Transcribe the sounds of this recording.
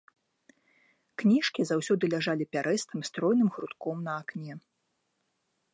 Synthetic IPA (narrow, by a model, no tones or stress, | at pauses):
knʲiʂkʲizawsʲɔd̪ɨlʲaʐalʲipʲaɾɛst̪ɨmst̪ɾɔjnɨmxɾut̪kɔmnɐaknʲɛ